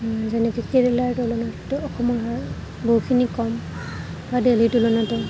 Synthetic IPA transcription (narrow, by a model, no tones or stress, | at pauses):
zɛnɛkɛkeɹɛlajtulɔnatɔkɔmɔɦa | boɦukʰinikɔm | badelitulɔnatɛ